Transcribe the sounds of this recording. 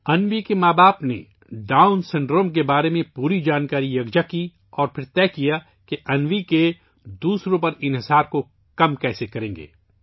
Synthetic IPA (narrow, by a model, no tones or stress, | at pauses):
ɐnʋikemaːbaːpnḛ | ɖaːʊnsɪ̃ɳɖɾõːmk̬ebaːɾemẽpuːɾid͡ʒaːnkaːɾijɐɡd͡ʒaki | ɔːɾpʰɪɾt̪ɛːkija | keʔɐnʋike | d̪uːsɾõpɐɾɪ̃nɦɪsaːɾko | kɐmkɛːsekɐɾẽːŋɡḛː